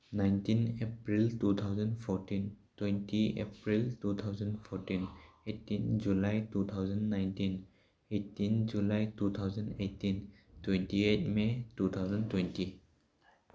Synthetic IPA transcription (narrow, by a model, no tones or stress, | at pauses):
najntinepɾiltut̪ʰawzənpʰɔɾtintwentiḛpɾiltut̪ʰawzənpʰɔɾtinetːind͡ʒulajtut̪ʰawzənːajntin | etːind͡ʒulajtut̪ʰawzanetːin | twɛntiet̚metut̪ʰawzəntwɛnti